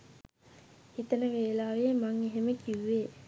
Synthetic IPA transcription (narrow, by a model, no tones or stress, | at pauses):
hit̪ənəʋeːlaːʋemaŋeɦeməkiʋːeː